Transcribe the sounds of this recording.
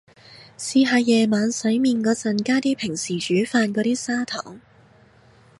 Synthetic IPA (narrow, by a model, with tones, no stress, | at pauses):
siː˨˧ɦaː˨˧jjɛː˨maː˨˧nsɐ˨˥jmiː˧nkɔː˨˧˥t͡sɐ˨˩nkaː˥t̪iː˥pʰɪ˨˩ŋsiː˨˩t͡ʃyː˨˥faː˧nkɔː˨˥ɾiː˥saː˥t̪ʰɔ̰ː˨˩ŋ